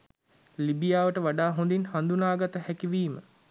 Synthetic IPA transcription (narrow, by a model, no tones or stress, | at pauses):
libijaːʋəʈəʋaɖaːɦond̪inhand̪unaːɡat̪əhɛkiʋiːmə̰